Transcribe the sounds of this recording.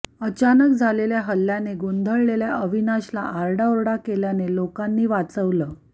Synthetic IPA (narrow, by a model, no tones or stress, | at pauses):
ət͡ɕanək̚d͡zʱaleljaɦəlːjaneɡond̪ʱəɭleljaʔəʋinaɕla̰ʔaɾɽaoɾɽakeljanelokanːiːʋat͡səʋləː